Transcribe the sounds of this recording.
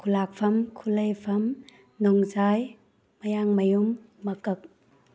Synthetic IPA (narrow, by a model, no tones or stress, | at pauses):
kʰulak̚pʰɐmkʰulɐjpʰɐm | nɔŋzaj | mɐjaŋmɐjumː | ɐkɐk̚